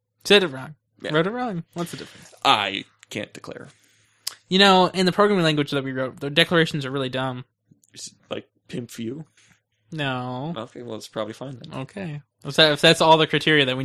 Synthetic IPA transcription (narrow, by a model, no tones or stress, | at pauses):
sɛɾɨt̚ɹɔ̃ŋ | jɹoʊɾɨt̚ɹɔ̃ŋwʌtsðɨdɪfɹɨ̃nsʔa̰ɪ | kʰæ̰̃nd̥ɨkʰl̥ɛ̰ɹ | jɨñoʊɨ̃nðɨpʰɹ̥oʊɡɹæ̃mɪ̃ŋlæ̃ŋɡwɨd͡ʒðɨt̚wiɹoʊt̚ðə˞dɛklə˞eɪʃn̩zə˞ɹɪlˠidʌ̃m | sla̰ɪk̚pʰɪ̃mpfjʉ | noʊʔo̰ʊkʰeɪwɛ̰lˠətspʰɹ̥ɑbəblifãɪ̃nðæ̰to̰ʊkʰeɪ | ɪsɨɨfðætsɔlˠðɨkʰɹ̥aɪtʰɪɹiɨðɨt̚wi